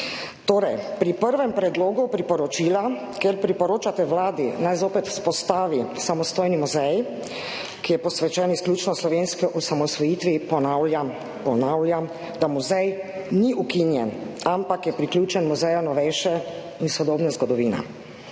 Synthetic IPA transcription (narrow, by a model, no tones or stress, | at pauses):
t̪oːɾɛjpɾipəɾʋɛmpɾɛd̪loːɡupɾipɔɾɔt͡ʃiːla | keɾpɾipɔɾoːt͡ʃat̪ɛʋlaːd̪inajzoːpɛt̪spɔst̪aːʋisamɔst̪oːjnimuzɛj | kijɛpɔsʋɛt͡ʃɛnisklʲuːt͡ʃnɔslɔʋenskiʔusamɔsʋɔjiːt̪ʋipɔnawlja | pɔnawlʲjam | d̪amuzɛjniʔukinjɛnampakjɛpɾikljuːt͡ʃɛnmuzɛjanɔʋɛjʃɛ | insɔd̪oːbnɛzɡɔd̪ɔʋiːnɛ̰